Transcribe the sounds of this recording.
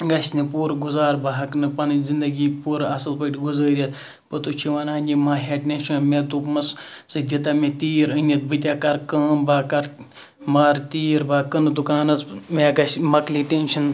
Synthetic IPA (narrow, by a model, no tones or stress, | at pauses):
ɡɐsʲnɨpuːɾɡuzaːɾbaɦɐknɨpɐnzind̪ɐɡiːpuːɾɐsɐlpəːʈʲiɡuzəːɾʲɐt̪ | bɐt̪ut͡ʃʰiʋaːnaːnʲimaːɦʲeːʈːʲenʃɐnmet̪upmɐssɨd͡ʒʲɐt̪aːmet̪iːɾənʲɐt̪̚bɨt̪̬ʲaːkɐɾkəːnbaːkɐɾ | maːɾt̪iːɾbaːkɐnɨd̪ukaːnɐzmeɡɐsmɐkliːʈenʃɐn